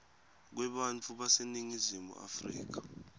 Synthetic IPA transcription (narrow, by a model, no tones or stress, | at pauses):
k̬wɛɓant͡fʰuɓaseniŋizimṵʔa̰frḭːk̬ḁ